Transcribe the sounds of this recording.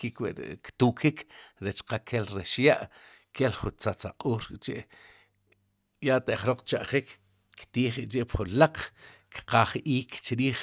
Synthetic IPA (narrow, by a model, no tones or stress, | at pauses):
kikwḭʔkt̪uːkʰikɾet͡ʃqakʰelɾeʃjaʔ | kʰelχunt͡sat͡sa̰qʼuːɾt͡ʃeʔ | jaʔt̪eʔχɾoq͡χt͡ʃaʔχik | kt̪iːχiʔʼt͡ʃeʔpχunlaq͡χkqaχiːkt͡ʃɾiːχ